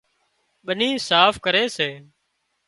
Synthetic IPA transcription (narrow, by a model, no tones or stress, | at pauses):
ɓənĩːsaːfkəɾeːseː